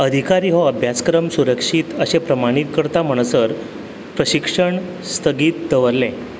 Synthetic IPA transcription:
əd̪ʱikaɾiːɦɔəbʱjat͡skɾəmsuɾəkʂiːt̪əɕepɾəmaɽ̃it̪kəɾt̪am̤əɳ̃əsəɾ | pɾəɕikʂəɳ | st̪ʰəɡiːt̪̚d̪əʋəɾlːẽ

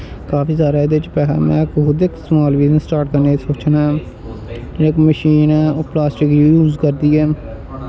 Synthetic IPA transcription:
kaːpiːsaːɾaːed̪et͡ʃpɛːlã̰ːmɛ̰̃ːɪkɦʊːd̪ɪksmaːlʋiːzəsʈaːʈkəɾneːsoːt͡ʃnɛ | ɪkməʃiːnɛːoːplaːsʈɪkjuːzkəɾd̪iːɛː

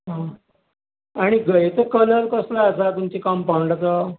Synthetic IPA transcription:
ɦã | aɽ̃iɡʱəjt͡səkələlkəslaəsat̪umt͡ɕikampawɳɖat͡sə

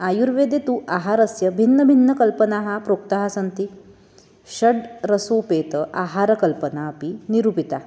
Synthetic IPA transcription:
ajuɾʋed̪et̪uʔaɦaɾəsjəbʱinːəbʱinːəkəlpənaɦapɾok̚t̪aɦasənt̪i | ɕəɽɾəsopet̪əʔaɦaɾəkəlpənaːpiniɾupit̪a

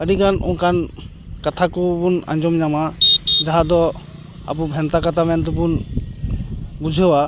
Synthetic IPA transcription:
əɖikanɔ̰ŋkʰan | kat̪ʰakɔbuna̰ɲd͡ʒɔmɲamad͡ʒaɦad̪ɔ | a̰pubʱɛnt̪akat̪ʰamɛnt̪̬ɔbun | bud͡ʒʱɛwa

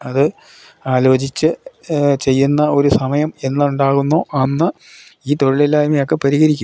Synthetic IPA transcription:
ɐðɨ | aːlo̞ːt͡ɕit͡ɕːɨt͡ɕe̞jːunːɐo̞ɾusɐmɐjɐme̞nːɐuɳɖaːɣunːoːʔɐnːɨ | iːt̪o̞ɻiɭilːaːjmiokːepɐɾiɣɐɾikʲːum

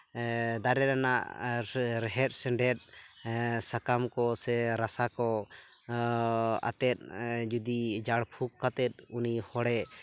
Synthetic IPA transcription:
d̪aɾɛɾanaʔ | ɾɛɦɛt̪̚sɛɳɖɛt̪̚ | sakamkɔsɛɾasakɔ | a̰t̪ɛt̪̚d͡ʒud̪id͡ʒaɽpʰukːat̪ɛt̪̚unihɔɽɛ

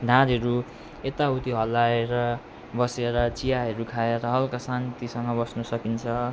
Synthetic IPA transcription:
d̪ʱãɾɦʌɾu | et̪aut̪iɦʌlːaeɾʌ | bʌseɾʌt͡sijaɦʌɾukʰaeɾʌɦʌlkasant̪isʌŋɡʌbʌsnʌsʌkint͡sʰʌ

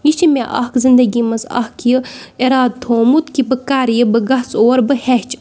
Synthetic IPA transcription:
jit͡ʃʰimʲeʔɐ̰ɦkzind̪ɐɡimɐsɐ̰hkjieɾaːd̪̚t̪ʰoːmut̪kibɨkaːɾjibɨɡɐɦt͡soːɾbɨhɛɦt͡ʃ

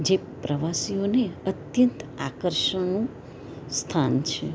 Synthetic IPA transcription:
d͡ʒe | pɾəʋasijoneət̪jənt̪akəɾʃənũ | st̪ʰant͡ʃʰe

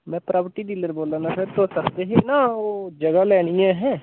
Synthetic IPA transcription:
mɛ̃ːpɾʔaːbʈiːɖiːləɾboːlaːnasəɾt̪oːsəkd̪eɦenaːoːd͡ʒəɡalɛːɽ̃ijãɦɛ̃ː

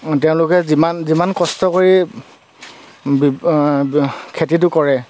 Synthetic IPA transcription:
teʊ̃lʊkɛzimanzimankɔstɔkoɹi | b | kʰetitʊkɔɹɛ

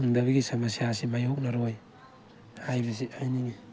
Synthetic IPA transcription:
ŋdaβiɡisamasias̬imajok̚naɾoj | ajβisiajniŋi

